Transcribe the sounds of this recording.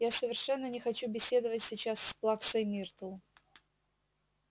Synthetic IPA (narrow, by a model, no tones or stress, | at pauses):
jasəvʲɪrʂɛnːənʲɪxɐt͡ɕubʲɪsʲe̞d̪əvətʲsʲɪt͡ɕassplˠaksəjmʲirt̪əlˠ